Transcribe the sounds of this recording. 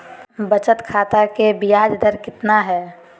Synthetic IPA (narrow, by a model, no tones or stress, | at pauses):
bət͡ʃət̪kʰaːt̪akebɪjaːd͡ʒd̪ʱəɾkɪt̪naɦɛː